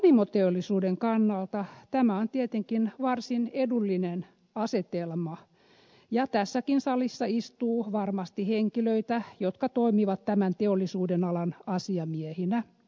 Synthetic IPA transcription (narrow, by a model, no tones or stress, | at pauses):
nimot̪eolːisuːdeŋkɑnːɑlt̪ɑt̪æmæont̪iet̪eŋkinʋɑrsinedulːinen | ɑset̪elmɑ | jɑt̪æsːækinsɑlisːɑist̪uːʋɑrmɑst̪iheŋkiløit̪æjot̪kɑt̪oimiʋɑt̪tæmænt̪eolːisuːdenɑlɑnɑsiɑmiehinæ